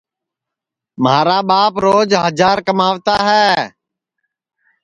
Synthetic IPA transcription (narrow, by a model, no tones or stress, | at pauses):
maːɾaːɓaːpɾoːd͡ʒɦəd͡ʒaːɾkəmaːʋt̪aːɦɛː